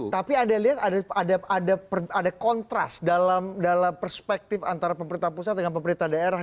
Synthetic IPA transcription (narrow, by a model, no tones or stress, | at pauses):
t̪apiandaliɦat̪adaadaadapadakɔnt̪ɾa̰sdalamdalampərspɛk̚t̪ɪfant̪aɾapəmbɾint̪apusat̪̚dəŋanpəmbɾint̪ahdaeɾah